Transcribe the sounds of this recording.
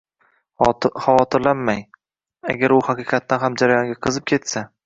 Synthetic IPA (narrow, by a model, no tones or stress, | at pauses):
hawɒt̪ʰɪɾlanmaj | a̰ɡʲaɾʊhaqɨqʰɑt̪ːanɦamd͡ʒaɾajɒŋɡʲaqʰɨzɪp̚kʲʰe̞t̪sa